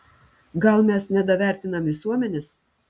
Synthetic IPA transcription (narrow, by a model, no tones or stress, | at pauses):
ɡɐlˠmʲɛsnʲɛd̪ɐʋʲæˑɾʲt̪ʲɪnɐmʋʲɪsuɔmʲɛnʲɛs